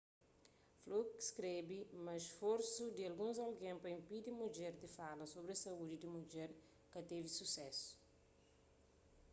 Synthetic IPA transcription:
flukskɾebimɐʃfoɾsud̪iɐlɡũnzɐlɡẽmpɐĩmpid̪imud͡ʒɛɾd̪ifalɐsobɾesɐud̪id̪imud͡ʒɛɾ | kɐt̪evisusɛsu̥

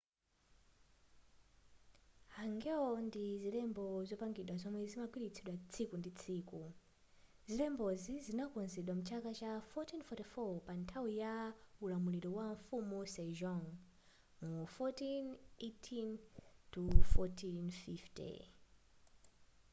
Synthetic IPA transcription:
haŋɡɛɔndizilɛmbɔzɔpaŋɡiɗwazɔmwɛzimakwiɾit͡sʰiɗwat͡sʰikundit͡sʰiːku | zilɛmbɔzizinakɔnzɛɗwamut͡ʃʰakat͡ʃafɔtinfɔtifɔpantʰawijaulamuliɾɔwaɱfumusɛʒɔŋ | mufɔtinetʰintʰufɔtʰinfiftɛ̰

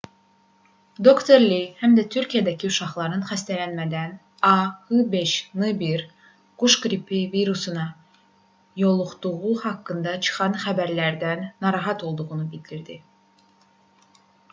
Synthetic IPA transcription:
d̪o̞kt̪ʰoɾlihæmd̪æt̪ʰyɾʲcʰijæd̪æcʰiuʃɑχlˠɑɾnɯnχæst̪ælænmæd̪æn | ɑhɯbe̞ʃnɯbiɾ | ɡ̥uʃɡɾipʰiviɾusunɑ | jo̞lˠuχt̪uʁuhɑkːɯnd̪ɑt͡ʃʰɯ̥χɑnχæbæɾlæɾd̪ænːɑɾɑɦɑt̪ʰo̞lˠd̪uʁunubild̪iɾd̪i

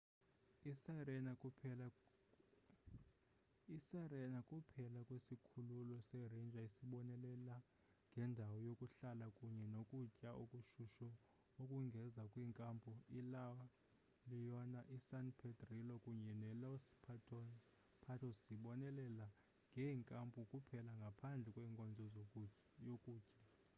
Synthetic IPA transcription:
isɛ | isarɛnakʼupʰɛlakʼwisikʰululɔsɛrend͡ʒʱʼaisiɓɔnɛlɛla | ŋɡʱɛndʱawɔjokʼuɬalakʼuɲɛnokʼucʼaʔokʼuʃuʃɔ | okʼuŋɡʱɛzakʼwiːŋkʼampʰʼuilawa | lijɔnaʔisanpʰɛdrilɔkʼuɲɛnɛlawsi̥pʰatʰɔn | pʰatʰɔsiɓɔnɛlɛla | ŋɡʱɛŋkʼampʼukʼupʰɛlaŋɡʱapʰand͡ɮʱɛkʼwɛːŋkʼɔnd͡zʱɔzokʼujokʼuːcʼa

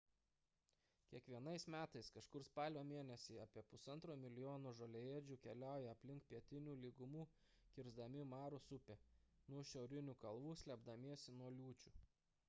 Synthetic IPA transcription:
kʲiɛkʋʲiɛnɐɪsmʲæːt̪ɐɪskɐʃkʊɾspɑːlʲoːmʲeɛnʲɛsʲiɐːpʲiɛpʊsɐnt̪ɾoːmʲɪlʲɪjoːnoːʒolʲejeːd͡ʒʲuːkʲɛlʲæˑʊjɛɐpʲlʲɪŋkpʲiɛt̪ʲɪnʲuːlʲiːɡʊmuː | kʲɪɾzd̪ɐmʲɪmɑːɾʊsʊpʲenuɔʃʲɛʊɾʲɪnʲuːkɐlˠʋuːsʲlʲɛbd̪ɐmʲiɛsʲɪnuɔlʲuːt͡ʃʲuː

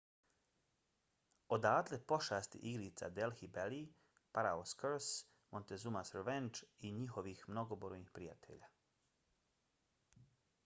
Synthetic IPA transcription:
od̪aːt̪lepo̞ʃaːst̪ḭʔiɡɾit̪sa̰d̪elxibeli | paɾaoskəɾs | mont̪ezumasɾeʋent͡ʃiɲixo̞ʋixmno̞ɡoboɾojnixpɾija̰t̪ʰḛʎaː

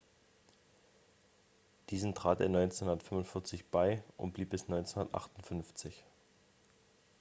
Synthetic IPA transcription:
d̥iːzn̩tʁ̥aːteːɐnɔʏnt͡senhuʊndɐtfmʊntfɪɐt͡sɪçb̥aɪʔʊ̰nt̚b̥liːp̚bɪsnɔʏnt͡senhʊndɐtʔa̰χtʊntfʏnft͡sɪç

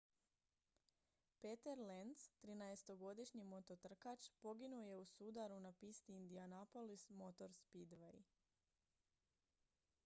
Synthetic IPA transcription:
pet̪eɾlenst̪ɾinaest̪o̞ɡo̞d̪iʃɲimo̞t̪o̞t̪r̩kat͡ʃpo̞ɡinuoje̞usud̪aɾunapist̪iːnd̪ianapolismo̞t̪o̞ɾspid̪ʋej

